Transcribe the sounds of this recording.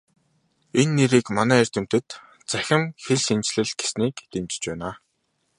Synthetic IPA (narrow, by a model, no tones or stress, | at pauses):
enːeɾiːkmanæːer̥ʲt̪ɘ̆m̥t̪ɘ̆t̪ | t͡sæxʲɪ̆mxeɮʃint͡ɕɮɘ̆ɮɡesniːkt̪emt͡ɕɪ̥̆t͡ɕpæːnaː